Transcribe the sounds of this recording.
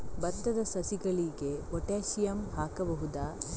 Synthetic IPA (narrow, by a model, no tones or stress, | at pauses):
bɐd̪ːɐd̪ɐsɐsiɡɐɭiɡe̞ɔʈeːʃijɐmhaːkɐbɐɦud̪aː